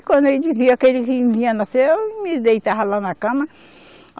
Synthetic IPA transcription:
kwɐ̃nd̪ʊewd͡ʒiziakelɪkɪ̃vĩɲɐnaseewmɪd̪ejt̪aɦɐlanɐkɐ̃mɐ

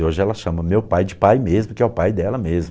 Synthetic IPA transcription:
oʒɪɛlɐʃɐ̃mɐmewpajd͡ʒɪpajmezmʊkɪɛʊpajd̪ɛlɐmezm

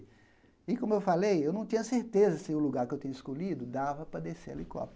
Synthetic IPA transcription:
ɪkõmʊewfalejewnɐ̃w̃t̪ĩɲɐseɾt̪ezɐsɪʊluɡaɾkɪewt̪ĩɲʊɪskolid̪ʊd̪avɐpɾɐd̪esḛlɪkɔ̰p

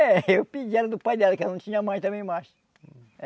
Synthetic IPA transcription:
ɛewpid͡ʒɛɾɐd̪ʊpajd̪ɛld̪ʊkewnɐ̃w̃t̪ĩɲɐamɐ̃j̃t̪ɐ̃mẽj̃majs

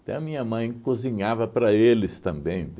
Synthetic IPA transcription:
t̪ɛ̰̃ɐmĩɲɐmɐ̃j̃kozĩɲavɐpɾɐelɪst̪ɐ̃mbẽj̃

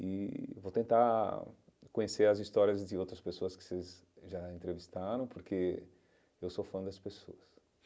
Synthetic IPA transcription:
ɪvot̪ẽnt̪a | kõɲeseɾɐzist̪ɔɾiɐzd̪ɪowt̪ɾɐspesoɐskɪ̥sez | ʒaẽnt̪ɾevist̪aɾɐ̃w̃poɾkʰe | ewsofɐ̃d̪ɐspeso̰ɐs

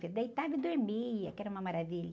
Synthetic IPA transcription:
fed̪ɐit̪avɐd̪oɾmijɐkɛɾɐũmɐmaɾaviʎ

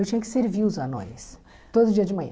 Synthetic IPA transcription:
ewt͡ʃĩɲɐkɪ̥seɾviʊzɐnõ̰js | t̪od̪ʊd͡ʒiɐd͡ʒɪmɐ̃ɲ̰

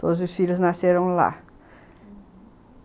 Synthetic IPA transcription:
t̪od̪ʊzʊsfilʊznaseɾɐ̃w̃la̰

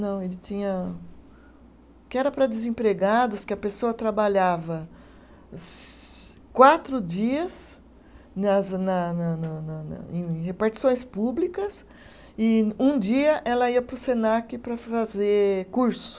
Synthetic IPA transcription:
nɐ̃w̃elɪt͡ʃĩɲɐ | kɪɛɾɐpɾɐd̪ɪzẽpɾeɡad̪ʊskɪɐpesoɐt̪ɾabaʎavɐ | s | kwat̪ɾʊd͡ʒiɐs | nɐznɐnɐnɐnɐnɐ̰ẽj̃hepaɾt͡ʃi̥sõj̃spublikɐs | ɪũd͡ʒiɐʔɛlɐiɐpɾʊsenakɪpɾɐfazekuɾsʊ̥

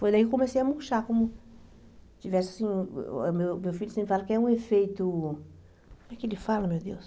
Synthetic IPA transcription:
fojd̪ɐikkõmesejɐmuʃakõmʊ | t͡ʃivɛsɪasĩmewmewfilʎʊsẽpɾɪfalɐkɪɛũefejt̪ʊ | kõmɛkɪelɪfalɐmewd̪ews

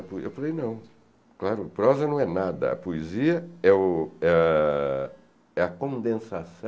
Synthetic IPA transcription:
poḛwfalejnɐ̃w̃ | klaɾʊpɾɔzɐnɐ̃w̃ɛnad̪ɐ̰ɐ̰poeziɐɛʊɛ | ɛɐkõnd̪ẽsasɐ̃

